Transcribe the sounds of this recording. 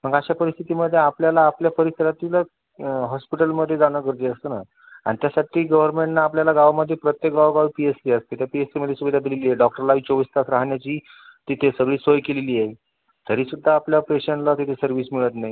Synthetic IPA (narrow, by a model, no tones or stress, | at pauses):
m̤əɡaɕapəɾist̪ʰit̪iməd̪ʱːjeapljalaːpljapəɾisəɾat̪ila | ɦɔspiʈəlməd̪ʱːjed͡zanəkəɾt̪iəst̪əna | a̰ɽ̃it̪jasaʈʰiːɡəʋəɾmeɳʈnaːpljalaɡaʋaməd̪ʱːjepɾət̪jek̚ɡaʋɡaʋipiesʈiəst̪et̪ʰjapiesʈiməd̪ʱːjesuʋid̪ʱad̪ʱileliːeɖɔk̚ʈəɾlait͡ɕoʋist̪asɾaɦɳjat͡ɕiː | t̪it̪ʰesəɡɭiːsʋəjkeleliːe | t̪ʰəɾiːsud̪ʱːaːpljapeɕəɳʈlat̪it̪ʰesəɾʋismiɭət̪naɦji